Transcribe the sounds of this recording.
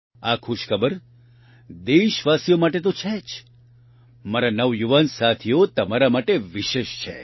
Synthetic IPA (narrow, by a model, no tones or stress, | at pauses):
akʰuʃkʰəbəɾ | d̪eʃʋasijomaʈet̪̬ot͡ʃʰɛt͡ʃʰ | məɾanəʋjuʋansat̪ʰijot̪əmaɾamaʈeʋiʃeʃt͡ʃʰḛ